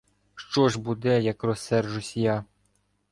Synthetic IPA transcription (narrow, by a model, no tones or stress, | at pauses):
ʃt͡ʃɔʒbud̪ɛjɐkrɔsːɛrʒʊsʲjɑ